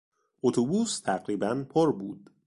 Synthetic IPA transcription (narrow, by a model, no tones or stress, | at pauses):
ʔot̪ʰobuːst̪ʰæɣɾiːbænpʰoɾbuːd̪